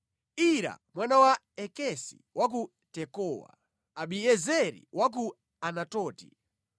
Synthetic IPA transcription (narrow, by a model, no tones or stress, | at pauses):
iɾa̰mwanawa | ɛkɛsḭwak̬u | tɛkɔːwa̰ | aɓiɛzɛɾḭwak̬u | anatɔːti̥